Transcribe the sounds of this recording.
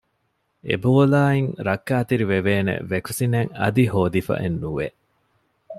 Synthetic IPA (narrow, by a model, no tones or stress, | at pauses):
ʔḛboːlaːiŋɾɐkːaːt̪iɾiʋeʋeːnḛʋekusineŋɐ̰d̪ihoːd̪ifɐ̰ʔenːuʋe